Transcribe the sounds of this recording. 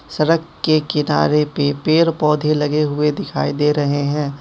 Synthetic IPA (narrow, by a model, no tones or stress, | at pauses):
sɐɾəkːekɪna̰ːɾepepeːɾpɔːd̪ʱelɐɡeɦʊed̪ɪkʰa̰ːid̪eːɾɐɦeɦɛ̃ː